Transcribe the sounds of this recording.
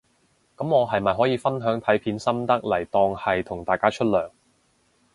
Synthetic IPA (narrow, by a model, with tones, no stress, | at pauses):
kɐ˨˥mŋɔː˨˧ɦɐ˨jmɐ˨jɦɔː˨˥jiː˨˧fɐ˥nɦœː˨˥ŋt̪ʰɐ˨˥jpʰiː˨˥nsɐ˥mt̪ɐ˥k̚lɐ˨˩jt̪ɔː˧ŋhɐ˨jt̪ʰʊ˨˩ŋt̪aː˨jkaː˥t͡ʃʰɵ˥t̚lœː˨˩ŋ